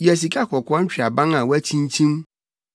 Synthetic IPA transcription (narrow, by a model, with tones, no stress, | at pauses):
jæ˨s̬i˨kʰa˦kʰɔ˨kʰʷɔ̃˦t͡ɕᶣi˨a˨bã˦ŋã˨wæ˦t͡ɕʰĩ˦n˦t͡ɕʰĩ˦m